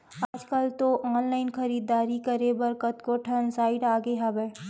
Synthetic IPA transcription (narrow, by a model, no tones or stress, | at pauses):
aːd͡ʒkəlt̪oʔɔːnlaːɪnxɐɾiːd̪ːaːɾikɐɾebɐɾkət̪koʈʰɐnsaːɪʈaːɡeɦɐbɛː